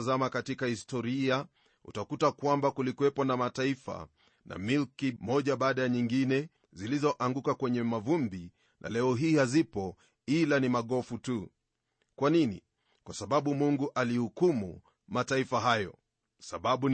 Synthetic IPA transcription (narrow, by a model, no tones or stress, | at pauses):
zamakatikahistɔɾia | ṵtakutakwambakulikwɛpɔnamataifa̰ | na̰milkimɔʄaɓaːɗajaɲiŋɡinɛ | zilizɔʔaŋɡukakwɛɲɛmavumbi | nʔa̰lɛɔɦiːhazipɔ | ilanimaɠɔfutu | kwaninḭ | kwasaɓaɓumuŋɡuʔalihukumṵ | mataifaɦajɔ̰ | saɓaɓu